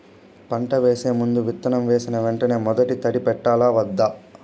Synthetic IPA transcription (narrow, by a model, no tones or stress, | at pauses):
pɐɳʈɐʋeːse̞ːmund̪uʋit̪ːɐnɐmʋe̞ːsinɐʋeɳʈɐne̞ːmɔd̪ɐʈit̪ɐɽipɛʈːaːlaːʋɐd̪ːaː